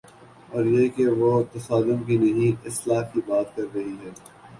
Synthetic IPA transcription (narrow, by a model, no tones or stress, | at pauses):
ɔːɾjeːkeʋot̪ɐsaːd̪ʊmkinɐɦĩɪslaːkibaːt̪kɐɾːɐɦiɦɛː